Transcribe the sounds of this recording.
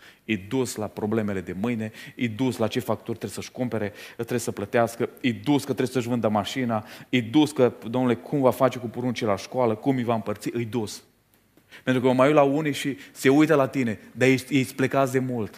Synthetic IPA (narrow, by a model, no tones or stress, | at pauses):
ɨjd̪uslapɾo̞ble̞me̞le̞d̪e̞mɨjne̞ɨjd̪uslat͡ʃe̞fak̚t̪orʲt̪ɾe̥səʃkumpe̞ɾe̞t̪ːɾeesəplət̪easkəɨjd̪uskət̪ɾeesəʒvɨnd̪əmaʃinaɨjd̪uskəd̪omnule̞kʰumvafat͡ʃe̞kupoɾunt͡ʃielaʃkoaləkumɨjvaɨmpərt̪siʔɨjd̪us | pent̪ɾukəməmajulaunijʃise̞ujt̪əlat̪ine̞d̪ajeesʲplekasd̪e̞mult̪